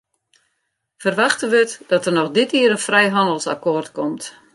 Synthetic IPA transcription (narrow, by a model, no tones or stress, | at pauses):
fərʋaxtənʋətd̥ɔtərnɔxdɪtiəɾənfrɛjɦɔndəlˠsa̰koːrtkɔmt